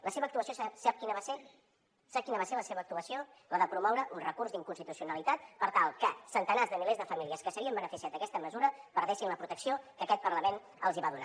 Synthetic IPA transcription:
ləseβək̚t̪uəsijosasap̚kinəβase | sap̚kinəβaseləseβəːkt̪uəsio | ləðəpɾumɔwɾəʔunrəkurzd̪iŋkunst̪it̪usiunəlit̪at̪̚pəɾt̪alˠkəsənt̪ənazðəmilezðəfəmiliəskəsəiəmbənəfisiat̪əkɛst̪əməzuɾəβəɾðɛʃinləpɾut̪əksiokəkɛt̪̚pəɾləmen | əlˠziβaðuna̰

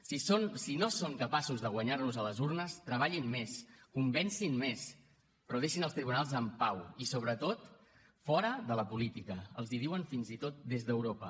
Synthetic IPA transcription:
sisonsinosoŋkəpasuzðəɣwəɲaɾnuzələzuɾnəst̪ɾəβ̞aʎinmeskumbɛnsinmes | pruðɛʃinəlˠst̪ɾiβunalˠzəmpawisoβɾət̪ot̪ | fɔɾəðələpulit̪ikəəlˠziðiwənfinzit̪ot̪̚d̪ezðəwɾopə

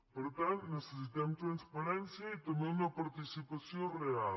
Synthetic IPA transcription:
poɾt̪ãnt̪nesesit̪amt̪ɾanspaɾɛ̃nsjɐit̪omẽmɐpaɾt̪isipasjõreal

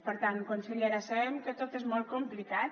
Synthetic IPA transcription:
pəɾt̪ankunsəʎeɾasəβɛmkət̪ot̪ezmɔlˠt̪̚kumplikat̪

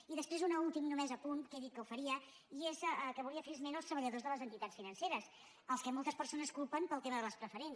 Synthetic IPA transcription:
iðəspɾezunaulˠt̪imnumɛzəpunt̪keðit̪̚kəufəɾiə | iezkəβuliəfəlizmenəlˠst̪ɾəβəʎəðozðələzənt̪it̪at͡sfinənseɾəs | əlˠskəmolˠt̪əspəɾsonəskulˠpəmpəlˠt̪eməðələspɾəfəɾen

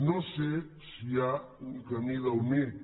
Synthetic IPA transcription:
nɐ̃se | sia | ukɐmiðɐomiɾ

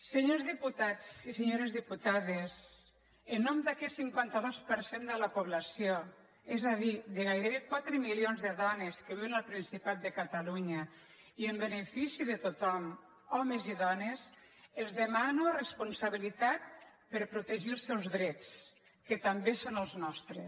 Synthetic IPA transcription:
seɲozðiput̪at͡siseɲoɾezðiput̪aðez | ənːɔmd̪akɛt̪siŋkwant̪aðospəɾsend̪ələpuβlasio | ɛzaðiðəɣajɾeβekwat̪ɾəmilionzðəðɔneskəβiwenalˠpɾinsipat̪̚d̪əkat̪aluɲə | iəmbənefisiðət̪ot̪ɔm | ɔmeziðɔnez | elˠzðəmanurespunsaβilit̪at̪̚pəɾpɾut̪eʒilˠsɛwzðɾɛt͡s | kət̪ambesonəlˠznɔst̪ɾe

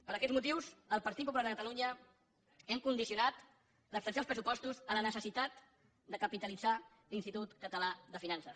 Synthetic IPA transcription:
pəɾəkɛd̪d͡zzmut̪iwzəlˠpəɾt̪it̪̚pupulaɾðəkət̪əluɲə | ɛŋkund̪isiunat̪ | ləst̪ənsalˠspɾəsupɔst̪uzələnəsəsit̪at̪ | d̪əkəpit̪əlid͡za | linst̪it̪ut̪kət̪əlaðəfinansəs

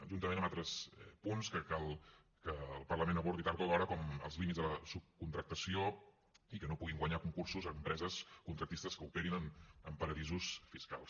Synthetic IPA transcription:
ʒunt̪əmenəmalˠt̪ɾəsɛpunskəkalˠ | kəːlˠpərləmenəβɔɾt̪it̪aɾt̪ulɔɾəkɔmə̰lˠzlimitzðələsup̚kunt̪ɾək̚t̪əsio | ikənopuɣiŋɡwəɲakuŋkursuzəmpɾɛzəskunt̪ɾək̚t̪ist̪əskəupeɾinəməmpəɾəðizusfiskalˠs

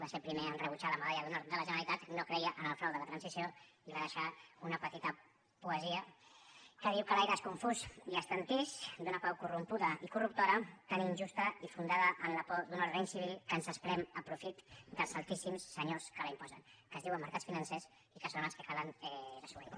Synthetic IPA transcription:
d̪asepɾimeənrəβ̞ut͡ʃaləməðaʎəðunod̪ələʒənəɾlit̪at̪nokɾəiəʔənəlˠfɾawðələt̪ɾansisioirəðəʃaunəpət̪it̪ə | puəziə | kəðiwkəlajɾəeskuɱfuziəst̪ant̪iʃd̪unɐpawkurumpuðəʔikurup̚t̪oɾət̪aninʲʒust̪əifund̪aðəʔːnlapɔd̪unalreɲsiβilˠkənzəspɾɛməpɾufit̪d̪əlˠzalˠt̪isimsːəɲoskələimpɔzə̰nkəzðiwəmːəɾkatt͡sfinənses | ikəsonəlˠskəkalənɛləsuβḭ

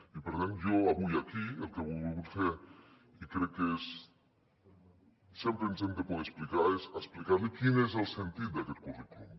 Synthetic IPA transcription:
ipeɾðenjoaβujakielkeβulβulɣut̪feɾ | ikɾekːees | sjempɾeint̪ent̪ekonesplikaɾesasplikaɾlikinezelsent̪it̪̚d̪aket̪̚koriklu

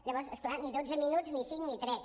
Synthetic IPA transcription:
ʎəβɔɾsəsklaniðod͡zəminuznisiŋnit̪ɾɛs

